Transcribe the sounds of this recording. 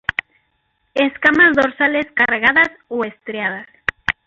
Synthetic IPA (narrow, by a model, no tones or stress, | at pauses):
eskamazðoɾsaleskareɣaðasoest̪ɾeað̞as